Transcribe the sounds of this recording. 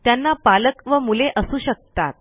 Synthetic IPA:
t̪janːapaləkʋəmuleʔəsuːɕək̚t̪a̰t̪̚

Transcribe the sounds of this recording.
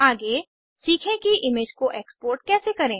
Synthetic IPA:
aːɡe | siːkʰẽkiʔɪmeːd͡ʒkoʔeːkspoːɾʈkɛːsekɐɾẽː

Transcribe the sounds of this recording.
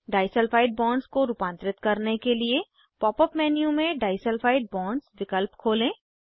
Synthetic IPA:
ɖaːɪsəlfʰaːɪɖ̚bɔːɳɖskoɾuːpãːnt̪ɾɪt̪kɐɾnekelie | pɔːpəpmɛːnijũmẽɖaːɪsəlfʰaːɪɖ̚bɔːɳɖsʋɪkəlpkʰoːlẽː

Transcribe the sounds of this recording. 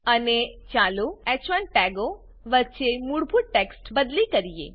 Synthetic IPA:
ənet͡ʃaːloɛt͡ʃʋãnʈɛːɡo | ʋət͡ʃemuɽbʱuɽʈeksʈbəd̪likɐɾijḛː

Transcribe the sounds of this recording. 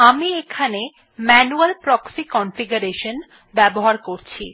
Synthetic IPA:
amiekʰane | mɛnualpɾɔksikɔnfiɡuɾeʃon | bɛboɦaɾkoɾt͡ɕʰḭ

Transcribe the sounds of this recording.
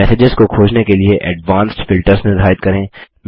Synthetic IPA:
ɛːsed͡ʒɪzkokʰoːd͡ʒnekelieʔɛɖʋãːnsʈfɪlʈəɾznɪɾd̪ʱaːɪt̪̚kɐɾẽː | m

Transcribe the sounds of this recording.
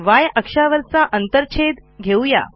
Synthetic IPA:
ʋajəkʂaʋəɾsaʔənt̪əɾt͡ɕʰed̪ɡʱewja̰

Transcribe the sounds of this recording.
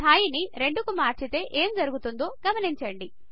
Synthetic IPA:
aːjiniɾe̞ɳɖukumaːɾt͡ʃit̪e̞ːʔeːmd͡ʒɐɾuɡut̪und̪o̞ːɡɐmɐniɲt͡ʃɐɳɖi

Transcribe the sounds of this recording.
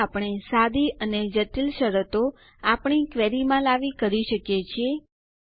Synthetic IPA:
apɳ̃esad̪iəned͡ʒət̪ilʃəɾət̪o | apɳ̃ikʋeɾimãlaʋikəɾiʃəkjet͡ʃʰie

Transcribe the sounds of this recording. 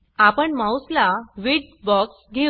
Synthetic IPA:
apəɳmawslaʋiɖ̚bɔksɡʱe

